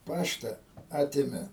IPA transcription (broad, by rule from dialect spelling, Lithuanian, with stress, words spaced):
ˈpɑːʃtɐ ˈɑːtʲeːmʲɛ